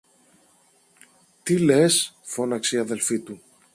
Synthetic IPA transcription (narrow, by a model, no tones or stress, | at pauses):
t̪ilesfo̞nɐksiɐðe̞lfit̪u